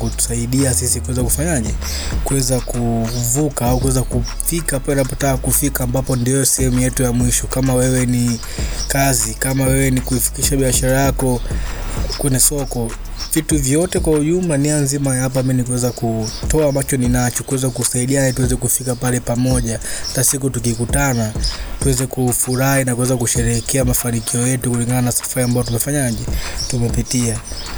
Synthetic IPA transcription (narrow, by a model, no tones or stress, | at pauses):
kutu̥saiɗiasisikuwɛzakufaɲaʄɛ | kuwɛzakuvukaaukuwɛzaku | fikapanapɔtaːkufikaːmbapɔndijɔsɛhɛmujɛtujamwiʃɔkamawɛwɛni | kazikamawɛwɛnikuifi̥kiʃaɓiaʃaɾajakɔ | kwɛɲɛsɔkɔ | vituvjɔtɛkwauʄumlanianzimajap̬aminikuwɛzakutɔamat͡ʃɔninat͡ʃɔkuwɛzakusaiɗiaɛtuwɛzɛkufikapalɛpamɔʄatasikutuk̬ikutanatuwɛzɛkufuɾahinakuwɛzakuʃɛɾɛːkɛamafanikiɔjɛtukuliŋɡananasḁfaɾiambajɔtumɛfaɲaʄɛtumɛpitia